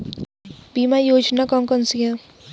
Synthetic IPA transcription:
bimajoːd͡ʒnakʌmkənsijã

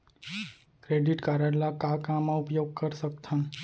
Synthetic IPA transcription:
kɾeɖɪʈkaːɾəɽlakakamãʊpjoːɡ̚kəɾsəkt̪ʰã

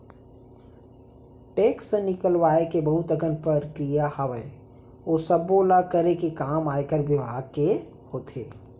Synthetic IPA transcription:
ʈeːksenɪkəlwaːekebəɦʊt̪əɡənpəɾkɾijahəʋəe | oːsəbːoːlakəɾekekaːmaːekəɾʋɪbʱaːɡ̚ke | hoːt̪ʰḛː

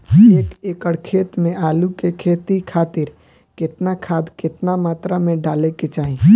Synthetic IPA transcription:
eːkeːkəɽkʰeːt̪mẽʔaːlukekʰeːt̪ikʰaːt̪ɪɾ | kɪt̪nakʰaːd̪kɪt̪namaːt̪ɾamẽɖaːleket͡ʃaːɦĩ

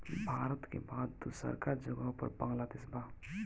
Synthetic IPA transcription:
bʱaːɾət̪kḛbaːd̪usə̰ɾkaɾd͡ʒəɡəpə̰ɾbɐ̃ŋɡlad̪ɪsbʱaː

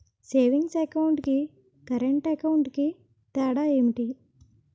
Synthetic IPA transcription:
seːʋiŋɡsɐkɐwɳʈki | kɐɾeɳʈɐkɐwɳʈki | t̪ɛːɽaːemiʈi

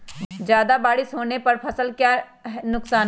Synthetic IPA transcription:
d͡ʒjaːd̪abaːɽɪsɦoːnepɐɾpʰɐsəlkjaːɦnʊksaːn

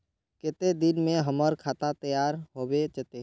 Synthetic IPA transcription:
kɪt̪ed̪ɪnmẽɦəməɾkʰaːt̪at̪əjaːɾɦoːbet͡ʃət̪eː

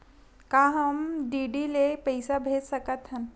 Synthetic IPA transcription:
kaɦəmɖiɖilepəjsabʱet̪səkat̪ɦan

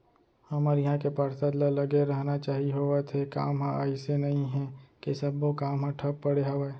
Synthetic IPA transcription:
hɐmaɾjɐɦãkepaɾsad̪lalɐɡeɾɐɦnat͡ʃaːɦiɦoet̪ʰeka̰ːmɦãa̰ːisenɐɦĩɦɛ̃kesɐbːokaːmɦãʈʰɐpːɐɽeɦɐʋae

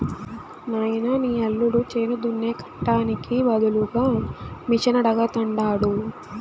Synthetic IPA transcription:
naːjnɐniːɐlːuɽut͡ʃeːnud̪unːeːkɐ̥ʈːaːnikiʋɐd̪uluɡaːmit͡ʃɐnɐɽɐɡɐt̪ɐɳɖaːɽu

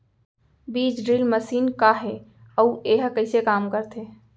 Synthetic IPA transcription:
bid͡ʒɖɾilməsinkaɦe | əueɦkəɪsekamkəɾt̪ʰe

